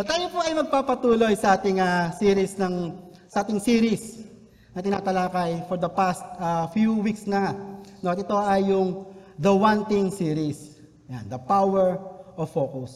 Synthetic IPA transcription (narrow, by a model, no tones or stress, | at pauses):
ot̪aːjopoɐjmɐɡ̚paːpɐt̪uːlo̞jsɐʔaːt̪ɪŋasiːɾɪsnɐŋ | sɐʔaːt̪ɪŋsiːɾɪs | nɐt̪ɪnaːt̪ɐlaːkɐjfoɹd̪ɐpast̪̚ɐfjuwiksnɐŋanoɐt̪̚ɛt̪o̞ʔɐjːʊŋd̪ɐwant̪ɪŋsiːɾis | jand̪ɐpawɛɹʔoffoːkʊs